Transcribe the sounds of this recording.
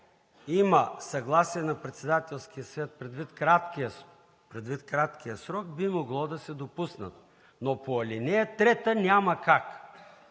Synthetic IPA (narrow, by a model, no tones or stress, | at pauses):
iməsɐɡlˠasiɛnɐpɾɛt̪sɛd̪at̪ɛlˠskijəsvʲɛt̪̚pɾɛd̪vit̪kat̪ki | pɾɛd̪vit̪kɾat̪kijəsɾɔk̚bimoɡlˠɔd̪ɐsɛd̪opusnə̰t̪ | nopoɐlinɛət̪ɾɛt̪ənʲamɐkak